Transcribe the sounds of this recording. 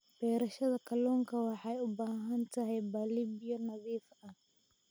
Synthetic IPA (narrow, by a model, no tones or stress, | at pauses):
b̥ɛːɾɐʃɐðɐkʰɐlɔːŋkʰɐwɑħɑjʊbaːɦɐnt̪ʰɐɦɛjbɐliːbɪjɐnɐðiːfɐh